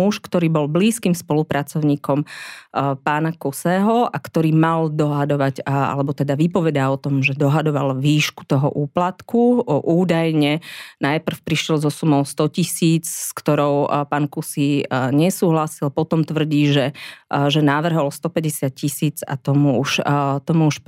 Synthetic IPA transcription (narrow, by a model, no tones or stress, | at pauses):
uʃkt̪ɔɾiːbɔlbliːskiːmspɔlupɾat͡sɔʊɲiːkɔm | paːnakusɛɦɔakt̪ɔɾiːmald̪ɔɦad̪ɔʋaɟa̰lɛbɔt̪ɛd̪aʋipɔʋɛd̪aɔt̪ɔmʒɛd̪ɔɦad̪ɔʋalʋiːʃku̥t̪ɔɦɔ̰ʔuːplat̪kuʔuːd̪ajɲɛnajpr̩fpɾiʃjɛlzɔsumɔʊst̪ɔcisiːt͡sskt̪ɔɾɔʊpaːnkusiɲɛsuːɦlasilpɔt̪ɔmt̪ʋr̩ɟiːʒɛʒɛnaʋr̩ɦɔlst̪ɔpɛɟɛsɪat̪̚cisiːd͡za̰t̪ɔmuuʃt̪ɔmuuʃ